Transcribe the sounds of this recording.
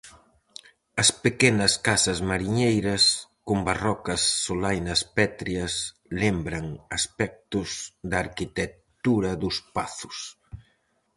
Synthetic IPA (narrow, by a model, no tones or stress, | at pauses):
ɐspekɛnɐskasɐzmaɾiɲejɾɐskʊmbarɔkɐsːolajnɐspɛt̪ɾiɐs | lembɾɐŋɐspɛk̚t̪ʊzðaɾkit̪e | t̪uɾɐðʊspaθʊ̥s